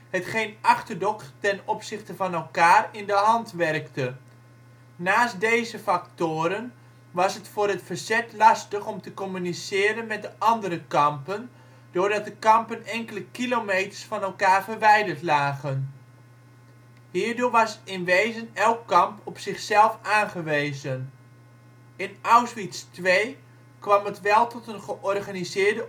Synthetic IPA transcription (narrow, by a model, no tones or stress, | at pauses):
ɦətχejnɑχtəɹdɔktɛnɔpsɪχtəvɑnɛlˠkaːrɪndəɦɑntʋɛrktə | aːstdejzəfɑktʊːɾən | ʋɑsɦətfʊːɾɦətfəɹzɛtlɑstəχɔmtəkɔmynisɪːɾənmɛt̚dəʔɑndəɾəkɑmpən | d̥ʊːɹdɑt̚dəkɑmpənɛŋkələkilomejtə̥ɹsfɑnɛlˠkaːɹvəɹʋɛjdəɹtlaːχən | ɦiːɹdʊːɹʋɑsɪnʋejzənɛlˠkːɑmpɔpsɪχsɛlˠfaːnχəʋejzən | ɪnawsʋitstʋej | kʋɑmətʋɛlˠtɔtənχəʔɔrχaːnizɪːɹdə